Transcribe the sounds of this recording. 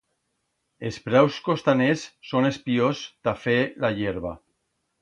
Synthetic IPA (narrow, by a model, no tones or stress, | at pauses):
espɾawskost̪anesːonespiozt̪afelaʎeɾβa